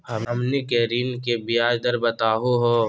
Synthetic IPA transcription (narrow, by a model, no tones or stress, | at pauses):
hɐɐmnikɛɦɾiːnkebiaːd͡ʒd̪ɐɾbɐt̪aːɦoɦoː